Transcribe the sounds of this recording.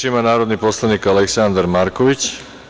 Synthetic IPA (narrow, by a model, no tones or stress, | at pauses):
imanaːɾod̪niposlˠaniːkalɛksand̪aɾmaɾkɔʋit͡ʃ